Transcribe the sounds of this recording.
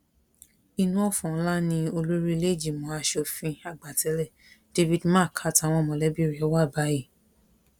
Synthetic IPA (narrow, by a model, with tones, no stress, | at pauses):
i˧nũ˧˦ɔ˦˨fɔ̃˨˦la˦nĩ˧o˧lo˦ɾi˦i˧le˦˨d͡ʒi˦˨mɔ̃˨˦a˧ʃɔ˧fĩ˧a˨ɡ͡ba˨tɛ˨˦lɛ˦˨ | d̥e˧vi˧dmã˦˨kʰa˦ta˧˨w̃ɔ̃˧˨mɔ̃˨lɛ˨˦bi˦˨ɾi˨˦ɔ˦wa˦˨ba˨˦ji˦˨